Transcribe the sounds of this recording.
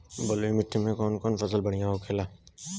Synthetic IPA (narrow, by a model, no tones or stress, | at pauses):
boloimɪʈʰːimẽkɔːnkɔːnfɐsəlbɐɽ̤ijãɦokʰeːlaː